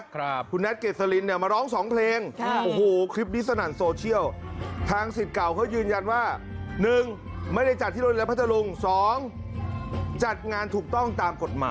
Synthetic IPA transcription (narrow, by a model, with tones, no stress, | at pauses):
kʰu˧nːɛ˦˥t̪̚keː˨˩sa˧li˧nːi˥˩ɐmaː˧ɾɔː˦˥˩ŋsɔː˩˦ŋpʰleː˧ŋʔoː˧˩hoː˨˩kʰɾi˦˥p̚ni˦˥sa˧naː˨˩nsoː˧t͡ɕʰi˥˩əwt̪ʰaː˧ŋsi˨˩t̪̚ka˨˩wkʰa˦˥˩wjɯː˧nja˧nwaː˥˩nɯ˨˩ŋ | ma˥˩jda˥˩jt͡ɕa˨˩t̪ʰːiː˥˩oː˧lɛ˦˥pʰt̪ʰa˧lu˧ŋsɔː˨˩˦ŋ | t͡ɕa˨˩t̪̚ŋaː˧nt̪ʰuː˨˩k̚t̪ɔ˥˩ŋt̪aː˧mko˨˩t̪̚ma̰ː˨˦